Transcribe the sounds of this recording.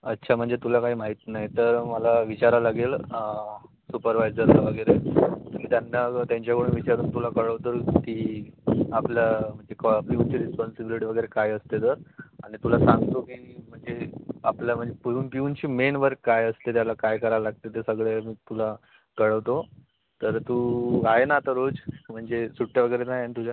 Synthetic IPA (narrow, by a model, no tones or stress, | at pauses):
ətːɕʰam̤əɳd͡zet̪ulakaɦiːm̤aɦit̪najt̪əɾməlaʋit͡ɕaɾalaɡeːl | supəɾʋajd͡zəɾlaʋəɡəjɾemmiːt̪janːat̪jãɲt͡ɕjakʰoɽuːnʋit͡ɕaɾuːnt̪ulakəɭəʋt̪əɾt̪iː | apljam̤əɳd͡zekpiunt͡ɕiːɾispɔnsibiliʈiːʋəɡəjɾekajəst̪et̪əɾaɽ̃it̪ulasãŋɡt̪okiːm̤əɳd͡zea̰plam̤əɳd͡zepuuːnpiunt͡ɕiːmenʋəɾkːajəslet̪jalakajkəɾalaɡ̚t̪et̪əsəɡɭemiːt̪ula | kəɭəʋt̪o | t̪əɾt̪uːaɦenat̪əɾod͡zm̤əɳd͡zesuʈʰjaʋəɡəjɾenajanit̪ud͡ʑa